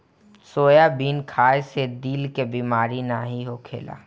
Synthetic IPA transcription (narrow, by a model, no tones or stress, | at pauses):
soːjabiːnkʰaːjsed̪iːlkebiːmaːɾinaɦiɦokʰḛːla̰ː